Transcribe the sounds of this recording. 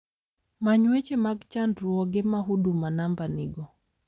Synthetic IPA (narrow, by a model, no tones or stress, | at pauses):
maɲwet͡ʃemaɡt͡ʃandɾuɔɡemaɦudumanambaniɡɔ